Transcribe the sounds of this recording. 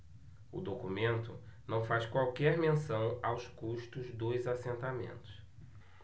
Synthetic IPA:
ʊ̰d̪okumẽnt̪ʊ̰nɐ̃w̃fajskwawkɛɾmẽsɐ̃w̃awskuʃt̪ʊzd̪ojzasẽnt̪amḛ̃nt̪ʊ̥s

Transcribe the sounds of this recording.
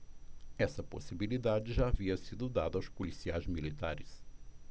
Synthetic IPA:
ɛsɐpo̰sibilid̪ad͡ʒɪʒaːviɐsid̪ʊd̪ad̪ɐawspolisiajzmilit̪aɾɪs

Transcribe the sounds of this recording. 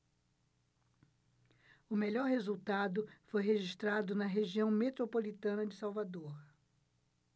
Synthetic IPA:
ʊmeʎɔɾhezuwt̪ad̪ʊfojɦeʒist̪ɾad̪ʊnɐɦeʒiɐ̃w̃met̪ɾopolit̪ɐ̃nɐd͡ʒɪsawvad̪oχ

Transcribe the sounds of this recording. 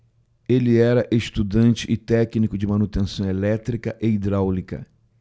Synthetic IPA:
elɪɛɾɐʔeʃt̪ud̪ɐ̃nt͡ʃɪʔɪt̪ɛknikʊd͡ʒɪmɐ̃nut̪ẽsɐ̃w̃elɛt̪ɾikɐʔeid̪ɾawlikɐ̰

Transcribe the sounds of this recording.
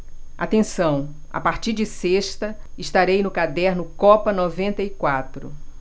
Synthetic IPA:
a̰t̪ẽsɐ̃w̃ | a̰paɾt͡ʃiɾd͡ʒɪseʃt̪ɐɪʃt̪aɾejnʊkad̪ɛɾnʊkɔpɐnɔvẽnt̪ɐikwat̪ɾʊ̰

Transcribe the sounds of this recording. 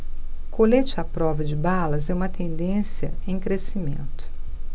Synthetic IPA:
kʰolet͡ʃɪapɾɔvɐd͡ʒɪbalɐzɛũmɐt̪ẽnd̪ẽsjɐ̰ẽj̃kɾesimẽnt̪ʊ̥

